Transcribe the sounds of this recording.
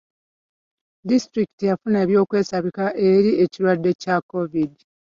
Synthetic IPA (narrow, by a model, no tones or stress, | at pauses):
distɾiki̥tijafuneːβjo̞ːkwe̞ːsaβikaʔe̞ɾie̞ciɾwadːe̞cakovidi